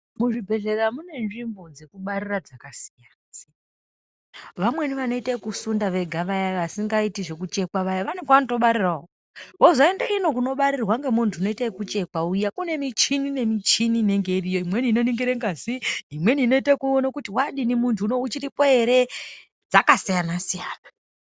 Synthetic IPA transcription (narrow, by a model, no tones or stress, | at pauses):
muʐibʱe̞ɮe̞ramune̞nʐimbo̞d͡ze̞kuɓaɾirad͡zakasi̥jans | ʋamwe̞niʋano̞itakusundaʋe̞ɡʱaʋajaʋasiŋɡaitiʐe̞kut͡ʃe̞kwaʋajaʋaneŋkwanoto̞ɓaɾirao | ɦozaendaino̞kuno̞ɓaɾirwaŋɡemuntʰuno̞itaikut͡ʃe̞kwaujakune̞mit͡ʃinine̞mit͡ʃinine̞ŋɡe̞irijo̞imwe̞nino̞niŋɡiɾeŋɡaziimwe̞niːno̞itekuonakutiwaɗinimuntʰuːno̞ut͡ʃiɾipo̞e̞ɾe̞ | d͡zakasijanasijaːna